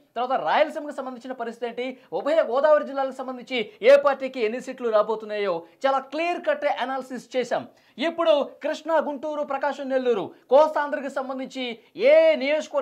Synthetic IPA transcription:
t̪ɐɾʋaːt̪ɐɾaːjɐlɐsimkisɐmbɐnd̪iɲt͡ʃinɐpɐɾist̪it̪eːɳʈiubɐɐjɐɡɔːd̪aːʋɐɾid͡ʒilːaːlɐkusɐmbɐnd̪iɲt͡ʃieːpaːɾʈːiːkienːisiːʈluɾaːbo̞ːt̪unːaːjo̞ːt͡ʃaːlaːkliɐɾkɐʈːeʔɐnaːlɐsist͡ʃɛːʃa̰ːm | ipːuɽukɾiʂɳɐɡuɳʈuːɾupɾɐkaːʂɐmne̞lːuɾṵkɔːsaːnd̪ɐɾɐkisɐmbɐnd̪iɲt͡ʃi | eːnijoːd͡ʒkɐʋɐɾ

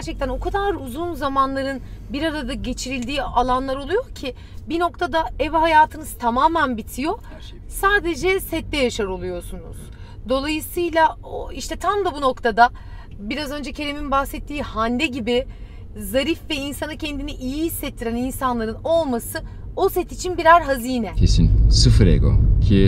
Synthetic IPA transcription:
æɾt͡ʃʰɛc̚t̪ʰæno̞kʰad̪aɾuzunzamanlˠaɾɯnbiɾaɾad̪aɟe̞t͡ʃʰiɾilʲd̪iːalˠanlˠaɾo̞lˠujo̞ɾcʰi | bino̞kt̪ʰad̪aɛvɦajaːt̪ʰɯnɯz̥t̪ʰamaːmænbit̪ʰijo̞ | saːd̪e̞d͡ʒɛsɛt̪ːɛjaʃaɾo̞lˠujo̞sunṵz̥ | d̪o̞lˠajɯsɯjlʲˠa | oiʃt̪ɛt̪ʰamd̪ˠabuno̞kt̪ʰad̪a | biɾazø̞nd͡ʒɛcʰe̞ɾeminbahsɛt̪ʰːiːhand̪ɛɟibɪ | zaɾifvɛinsanɯcʰɛnd̪iniʔijiɦisːɛt̪ʰːiɾæninsanlˠaɾɯno̞lˠmasɯ | o̞sɛt̪it͡ʃʰinbiɾaɾɦaziːnɛcʰesḭnsɯfɯɾḛɡo̰cʰi

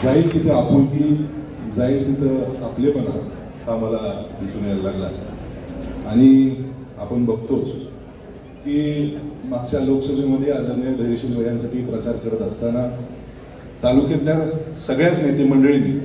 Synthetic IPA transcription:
d͡zailk̪it̪ʰeapuɳki | d͡zailt̪it̪ʰəapleməla̰ | t̪aməlad̪isunjallaɡla | aɽ̃i | apəɳbʱəɡt̪ot͡s | kiːmaɡ̚t͡ɕjaloksəmeməd̪ʱːjead͡zəɾnjəɖəɾeɕənʋəɭjãnsaʈiːpɾət͡ɕaɾkəɽət̪əst̪ana | t̪aluket̪ljasəɡɭjat͡snajt̪eməɳɖəɭiːne

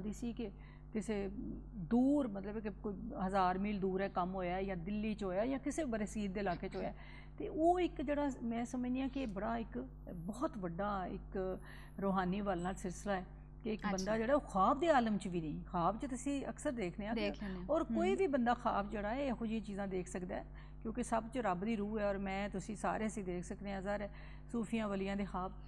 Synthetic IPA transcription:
nd̪iːsiːkɪ | kɪseː | d̪uːɾmət̪ləbkɪkoiːɦəzaːɾmiːld̪uːɾɛːkəmɦoːjaːjãːd̪ɪlːiːt͡ʃɦoːjaːjãːkɪseːbəɾeːsiːɾd̪eːlaːkeːt͡ʃɦoːjaːɛ | t̪eːʔoːɪkd͡ʒeːɽaːmɛ̃ːsəməd͡ʒd̪iːãːkɪːbəɽaːɪk | bɔːt̪ʋəɖaːɪ̰k | ɾoːɦaːniːʋaːlnaːlsɪlslaːɛː | keɪkbənd̪aːd͡ʒeːɽaːoːxʰaːb̚d̪eːaːləmt͡ʃʋiːnəĩːxaːbt͡ʃət̪ʊsĩːə̰ksəɾd̪eːkʰneːãːdɔːɾkoːiːʋiːbənd̪aːxʰaːbd͡ʒeːɽaːɛːeːxʊd͡ʒiãːt͡ʃiːzãːd̪eːkʰsəkd̪aɛ | kjõːkɪsəbt͡ʃəɾəbd̪iːɾuːɛːɔːɾmɛ̃ːt̪ʊsĩːsa̰ːɾeːəsĩːd̪eːkʰsəkd̪eːãːzaːɾɛː | suːpʰɪjãːʋəlijãːd̪eːxʰaːb̚

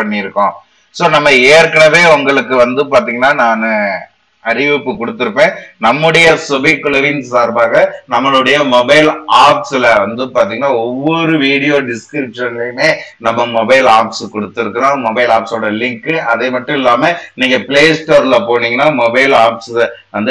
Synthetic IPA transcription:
pɐɳːɪɪɾɯkːõː | soːnɐmːɐeːɾkɐɳɐʋeːʊŋɡɐɭɯkːɯʋɐnd̪ɯpaːɾt̪iːŋɡɐnːaːnaːnɯ | ɐɾɪʋɪpːɯkɔɽɯt̪ːɯɾɯpːẽːnɐmːɯɽɐjɐsɔbɪkːlɐɾinsaːɾbaːɣɐnɐmːɐɭɯɽɐjɐmɔbɐɪlaːpsɪlɐʋɐnd̪ɯpaːɾt̪̬iːŋɡɐnːaːɔʋːɔɾɯʋiːɽɪjoːɖɪskɾɪpʂɐnlɐmeːnɐmːɐmɔbɐɪlaːpskɔɽɯt̪ːɪɾɯkːɐɾãːmɔbɐɪlaːpsoːɽɐlɪŋkɯɐðeːmɐʈːʊ̃ɪlːaːmɐniːŋɡɐpɪleːsʈoːɾlɐpoːɳiːŋɡɐnːaːmɔbɐɪlaːpsʋɐnd̪ɯ

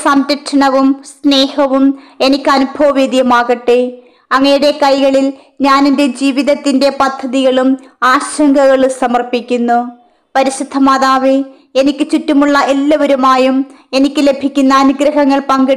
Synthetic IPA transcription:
sɐmdɐʈʂɐɳɐʋumsne̞ːhɐʋume̞nikʲːɨɐnubʱɐʋɐʋid̪jɐmaːɣɐʈːe | ɐŋːɐjuɽe̞kɐjɣɐɭil | ɲaːninde̞d͡ʑiːʋiðɐt̪ːinde̞pɐd̪ʱːɐðiɣɐɭumaːɕɐŋɡɐɣɐɭsɐmɐrpikʲːunːu | pɐɾiɕid̪ʱːɐmaːðaːʋe | e̞nikʲːɨt͡ɕutːumuɭːɐʔelːɐʋoɾumaːjume̞nikʲːɨle̞bʱikʲːunːɐːnuɡɾɐɦɐŋːɐɭpɐŋɡɐɽ

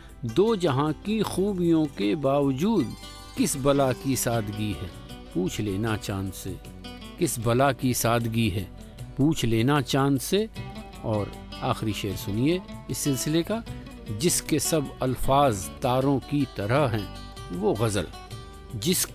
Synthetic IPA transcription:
d̪oːd͡ʒɐɦãkixuːbijõkebaːʋd͡ʒuːd̪ | kɪsbɐlakisaːd̪ɡiɦɛ̰̃ː | puːt͡ʃʰleːnat͡ʃãːnse | kɪsbɐlakisaːd̪ɡiɦɛː | puːt͡ʃʰleːnat͡ʃãːnse | ɔːɾ | aːxɾiʃeːɾsʊnie | ɪsːɪlsɪleka | d͡ʒɪskesɐbɐlfaːzt̪aːɾõkit̪ɐɾəɦɦɛ̃ː | ʋoɣɐzə̰l | d͡ʒɪs

